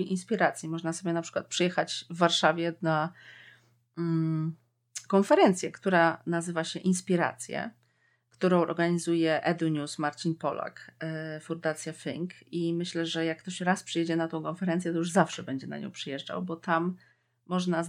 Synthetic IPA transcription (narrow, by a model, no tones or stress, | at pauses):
inspʲiɾat̪sʲjimɔʐnasɔbʲjɛnapʂɘkwat̪pʂɨjɛxat͡ɕvːaɾʂavʲjɛna | kɔnfɛɾɛnt̪sʲjɛkt̪uɾanazɘvaɕɛʔinspʲiɾa̰t̪sʲjɛ̰ | kt̪uɾɔ̃w̃ɔ̰ɾɡaɲizujɛʔɛd̪uɲusmaɾt͡ɕinpɔla̰kfund̪at̪sʲjafḭŋkimɘɕlɛʐɛjakːt̪ɔɕɾaspʂɨjɛd͡ʑɛnat̪ɔ̃w̃kɔnfɛɾɛnsjɛt̪ɔjuʐzafʂɛbɛɲd͡ʑɛna̰ɲɔ̰̃w̃pʂɨjɛʐd͡ʐa̰wbɔt̪amː | ɔʐna